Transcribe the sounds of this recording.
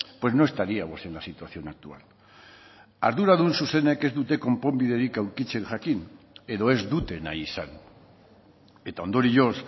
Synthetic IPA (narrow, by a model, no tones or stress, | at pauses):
pwe̞znoest̪aɾiamose̞nlasit̪waθjo̞nak̚t̪ual | a̰ɾðuɾaðunsuseneke̞zðut̪eko̞mpombiðeɾikaukit͡ʃeŋxakin | eðoe̞zd̪ut̪e̞na̰isan | et̪and̪oɾiʝos